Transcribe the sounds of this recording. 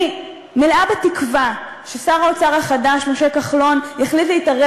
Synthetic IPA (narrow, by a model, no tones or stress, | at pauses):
meleabetikva | ʃesaʁaot͡saʁaχadaʃmoʃe̞kaχlo̞njaχlitleitaʁe